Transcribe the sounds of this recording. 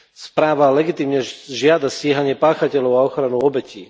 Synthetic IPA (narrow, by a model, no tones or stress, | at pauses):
spɾaːʋalɛɡit̪iːmɲɛʒɪad̪asɛɦaɲɪɛpaːxacɛlɔʊaɔxɾanuɔbɛcḭː